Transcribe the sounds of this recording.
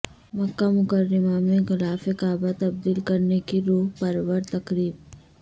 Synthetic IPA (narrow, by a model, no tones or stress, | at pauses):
mɐkːamʊkəɾːɪmamẽxɪlaːfekaːbat̪ɐb̚d̪iːlkɐɾnekiɾoːɦpɐɾwəɾt̪ɐkɾiːb̚